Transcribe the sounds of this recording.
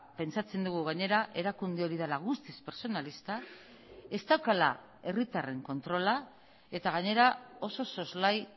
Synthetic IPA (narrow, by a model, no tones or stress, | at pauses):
pe̞nt͡sat͡se̞nd̪uɣ̞uɣ̞aɲe̞ɾaʔe̞ɾakund̪eo̞ɾið̞alaɣ̞ust̪ispe̞ɾso̞nalist̪a | e̞st̪awkala̰ | e̞rit̪are̞ŋko̞nt̪ɾo̞la | e̞t̪aɣ̞aɲe̞ɾao̞so̞so̞zlaj